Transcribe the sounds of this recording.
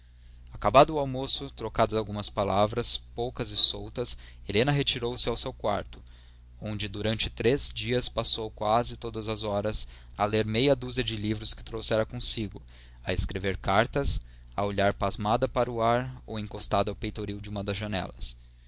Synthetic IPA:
akabad̪ʊːawmosʊt̪ɾokad̪ʊd̪awɡũmɐspalavɾɐspowkɐzɪsowt̪ɐselẽnɐɦet͡ʃiɾowsɪawsewkwa̰ɾt̪ʊ̥ | õnd͡ʒɪd̪uɾɐ̃nt͡ʃɪ̥t̪ɾezd͡ʒiɐspasowkwazɪt̪od̪ɐzɐzɔɾɐs | ɐleɾmejɐd̪uzɐd͡ʒɪlivɾʊskɪ̥t̪ɾowsɛɾɐkõsiɡʊ | ɐeskɾeveɾkaɾt̪ɐs | ɐ̰oʎaɾpazmad̪ɐpaɾʊaɾowẽŋkost̪ad̪ɐawpejt̪oɾiwd͡ʒɪũmɐd̪ɐzʒɐnɛ̰lɐs

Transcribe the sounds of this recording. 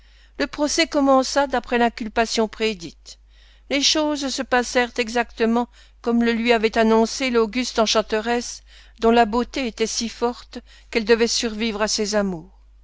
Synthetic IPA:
ləpχɔsɛkɔmɑ̃sad̪apχɛlɛ̃kʲylpasjɔ̃pχed̪it̪ | leʃozsəpasɛʁt̪ɛɡzak̚t̪əmɑ̃ | kɔmləlɥiavɛt̪anɔ̃seloɡʲyst̪ɑ̃ʃɑ̃t̪əʁɛs | d̪ɔ̃labot̪eet̪ɛsifɔʁt̪ | kɛld̪əvɛsyʁvivʁasɛzamuːʁ

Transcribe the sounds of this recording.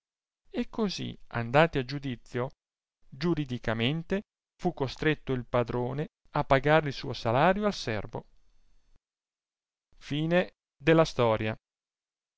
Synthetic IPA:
ekːozḭa̰nd̪aːt̪ead͡ʒud̪it̪sːjo | d͡ʒuɾid̪ikament̪e | fukːost̪ɾet̪ːoilpad̪ɾoːne | apːaɡaːɾeilsuːosalaːɾjoalsɛ̰rvo̰ | fiːne | d̪elːast̪ɔːɾja

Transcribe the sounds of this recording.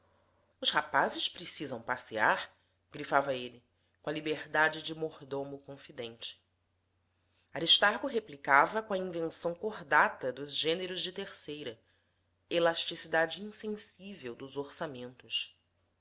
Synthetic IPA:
ʊʃhapazɪʃpɾesizɐ̃w̃pasiaɾ | ɡ̥ɾifavɐelɪ | kõɐlibeɾd̪ad͡ʒɪd͡ʒɪmohd̪omʊkõfid̪ẽnt͡ʃɪ̥ | aɾiʃt̪aɾɡʊɦeplikavɐkõɐĩvẽsɐ̃w̃koɦd̪at̪ɐd̪ʊzʒẽneɾʊzd͡ʒɪt̪eɾsejɾɐ | elaʃt͡ʃisid̪ad͡ʒɪĩsẽsivewd̪ʊzoɾsamẽnt̪ʊs

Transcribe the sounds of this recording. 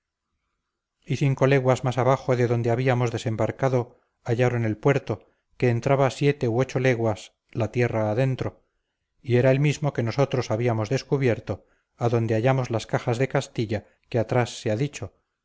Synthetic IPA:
iθiŋko̞le̞ɣwazmasaβaχo̞ðe̞ðo̞nd̪eaβiamo̞zðe̞se̞mbaɾkaðo̞ | aʎaɾo̞nelpwe̞ɾt̪o̞ | ke̞ːnt̪ɾaβasje̞t̪e̞uo̞t͡ʃo̞le̞ɣwas | lat̪je̞raːðe̞nt̪ɾo̞ | ie̞ɾaelmizmo̞ke̞no̞so̞t̪ɾo̞saβiamo̞zðe̞skuβje̞ɾt̪o̞ | aðo̞nd̪eaʝamozlaskaxazðe̞kast̪iʎa | keat̪ɾasːeaðit͡ʃo̞

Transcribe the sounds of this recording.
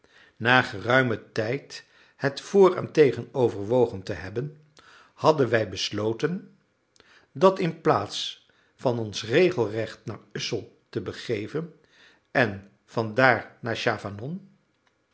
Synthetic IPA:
naːχərœɥmətɛjt | hətfʊːrɛ̰ntejχənowvəɹʋowχəntəɦɛbən | hɑdənʋɛjbəslowtən | dɑtɪnplaːts | fɑnɔnsrejχəlˠrɛχtnaːɹʏsəlˠtəbəχejvən | ɛn | vɑndaːɹnaːɹʃaːfanɔn

